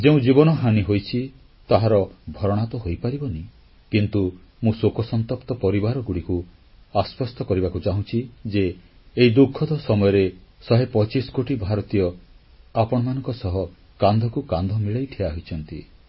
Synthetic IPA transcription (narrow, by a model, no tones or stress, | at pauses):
d͡ʒeũd͡ʒibɔnɔɦaniɦojt͡ʃʰi | t̪aɦaɾɔbʱɔɾɔɽ̃at̪ɔɦojpaɾibɔni | kint̪u | mũsokɔsɔnt̪ɔpt̪ɔpɔɾibaɾɔɡuɽiku | aspɔst̪ɔkɔɾibakut͡ʃaɦũt͡ʃʰid͡ʒeː | id̪ukʰːɔd̪ʱɔsɔmɔjɔɾesɔɦepɔt͡ʃiskoʈibʱaɾɔt̪ijɔ | apɔɽ̃ɔmanɔ̃ŋkɔsɔɦɔ | kand̪ʱɔkukand̪ʱɔmiɭajʈʰeaɦoit͡ʃʰɔn̪t̪ḭ